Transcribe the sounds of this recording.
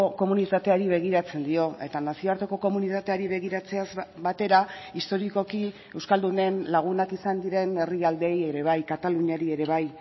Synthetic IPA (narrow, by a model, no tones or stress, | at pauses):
ko̞munit̪at̪e̞aɾiβe̞ɣ̞iɾat͡se̞nd̪io̞e̞̰t̪anasio̞aɾt̪e̞ko̞ko̞munit̪at̪e̞aɾiβe̞ɣ̞iɾat͡se̞asbat̪e̞ɾaist̪o̞ɾiko̞ki | e̞wskald̪une̞nlaɣ̞unakisand̪iɾe̞ne̞riald̪e̞je̞ɾe̞β̞ajkat̪aluɲaɾie̞ɾe̞β̞aj